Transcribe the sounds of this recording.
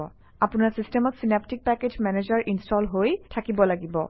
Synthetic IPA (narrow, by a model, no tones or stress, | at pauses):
ɔ | apunaɹsistemɔtsinap̚tik̚pɛked͡ʒmɛned͡ʑaɹʔinstɔlɦojtʰakibɔlaɡibɔ̰